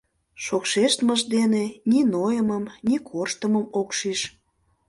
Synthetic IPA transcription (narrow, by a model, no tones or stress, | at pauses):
ʃokʃeʃt̪məʒd̪eneninojəməmnikʰorʃt̪əməmokʃiʃ